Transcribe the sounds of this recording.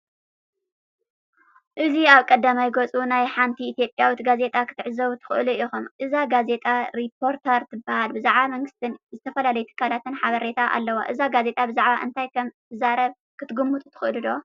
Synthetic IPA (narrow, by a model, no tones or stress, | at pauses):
ʔɨziaβkʼɐd̪ːamajɡot͡sʼunajħant̪ʰiit̪ijo̞pʼjawit̪ɡaze̞t̪ʼakʰɨ̥t̪ʰɨʕɨzɐβut̪ʰɨ̥xɨʔluʔixumʔɨzaɡaze̞t̪ʼaɾipʰo̞ɾt̪ʰɐɾt̪ʰɨbahalbɨzaʕβamɐŋɡɨst̪ʰɨnzɨt̪ʰɐfɐlalɐjut̪ʰɨ̥kʰːalat̪ʰɨnħaβɐɾe̞t̪ʰaʔa̰lːɐwa̰ʔɨzaɡaze̞t̪ʼabɨzaʕβaʔɨ̰nt̪ʰajkʰɐmt̪ʰɨzaɾɐβ | kʰɨt̪ʰɨɡumːut̪ʼut̪ʰɨ̥xʔɨlud̪o